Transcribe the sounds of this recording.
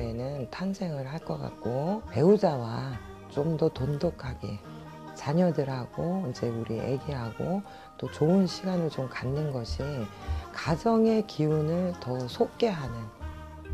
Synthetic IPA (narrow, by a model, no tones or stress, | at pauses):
enɯntʰansʰe̞ŋɯɭɦaɭk͈ʌk͈a̰k̚k͈ope̞ud͡ʑawa | t͡ɕomdʌtondokʰaɡe̞̰ | t͡ɕaɲʌdɯɾɦaɡ̥oind͡ʑe̞uɾiʔe̞̰ɡeɦaɡo | t͈ot͡ɕoɯnɕʰiɡanɯɭt͡ɕomkanːɯnɡʌɕʰi | kad͡ʑʌŋe̞kiunɯɭtʌsʰok̚k͈e̞ɦanɯn